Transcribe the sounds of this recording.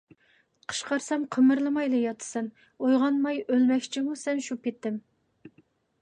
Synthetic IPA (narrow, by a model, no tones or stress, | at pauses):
qʰə̥ʃqʰɑɾsɛmqʰəmɨɾlˠɨmɑjlˠɨjɑt̪ʰɨ̥sɛn | ojʁɑnmɑjølmɛkʲt͡ʃʰimusɛnʃupʰet̪ːɪm